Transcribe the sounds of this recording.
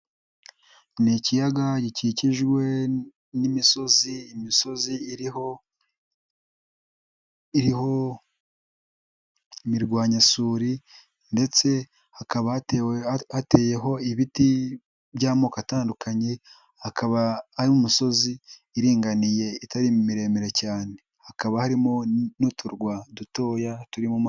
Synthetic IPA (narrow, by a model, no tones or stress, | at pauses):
nicijaɡaɟiciciʒɡwe̞ | nimiso̞ziːmiso̞ziɾ | iɾiho̞ | imiɾɡwaːɲasuːɾi | nde̞t͡se̞ | hakaβa | ate̞ːje̞ɦo̞iβiti | bɟaːmo̞ːkataːndukʰaɲe̞ | hakaβaaɾiumuso̞ziːɾiːŋɡanije̞itaɾimumiɾe̞ːmiɾe̞caːne̞ | hakaβahaɾimo̞notʰuɾɡwaduto̞ːjatuɾimum